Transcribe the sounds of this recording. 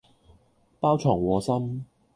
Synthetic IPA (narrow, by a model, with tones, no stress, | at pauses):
paː˥wt͡ʃʰɔː˨˩ŋwɔː˨˧sɐ˥m